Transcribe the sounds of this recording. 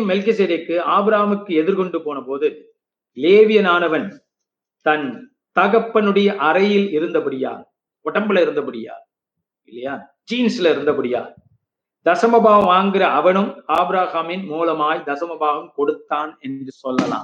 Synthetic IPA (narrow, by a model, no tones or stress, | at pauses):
mːɛlkɪsed̪ekːɯaːbɾaːɐmɯkːɯɛðɪɾkɔɳɖɯpoːnɐpoːðɯ | leːʋɪjɐnaːnɐʋɐn | t̪ɐn | t̪ɐɣɐpːɐnɯɽɐjɐʔɐɾɐjɪlɪɾɯnd̪ɐpɐɽɪja̰ː | ɔʈːɐmbɪlɐɪɾɯnd̪ɐpɐɽɪja̰ː | ɪlːɐjaː | d͡ʒiːnsɪlɐɪɾɯnd̪ɐpɐɽɪja̰ː | d̪ɐsɐmɐbaːɣɐʋaːŋɡɪrɐɐʋɐnɯmaːbɾaːɣamɪnmuːlɐmaːjd̪ɐsɐmɐbaːɣɐmkɔɽɯt̪ːaːnɛndrɯsɔlːɐla̰ːm